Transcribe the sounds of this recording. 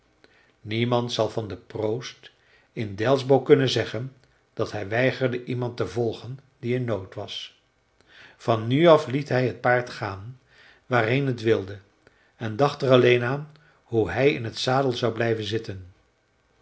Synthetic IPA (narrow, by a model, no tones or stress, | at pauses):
nimɑntsɑlˠvɑndəprowst | ɪndɛlˠzbowkɵnənzɛχən | d̥ɑtɦɛjʋɛjχəɹdəʔimɑntəvɔlˠχən | diɪnːowtʋɑs | fɑnyɑflitɦɛjɦət̚paːɹtχaːn | ʋaːrɦenɦətʋɪlˠdə | ɛndɑχtərɑlejnaːn | ɦuɦɛjɪ̰nɦətsaːdəlˠzɑwblɛjvənzɪtən